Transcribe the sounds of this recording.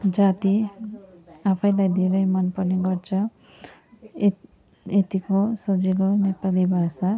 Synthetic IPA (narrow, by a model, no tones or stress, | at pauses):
d͡zat̪i | apʰʌj̃lajd̪ʱeɾʌjmʌnpʌrneɡʌrt͡sʰʌ | et̪ikosʌd͡zilonepalibʱasa